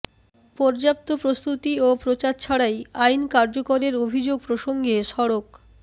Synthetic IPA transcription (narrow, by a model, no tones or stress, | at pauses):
pɔɾd͡ʑap̚t̪opɾost̪ut̪iopɾot͡ɕaɾt͡ɕʰaɽajajnkaɾd͡ʑokoɾeɾobʱid͡ʑoɡ̚pɾoʃoŋɡeʃɔɽok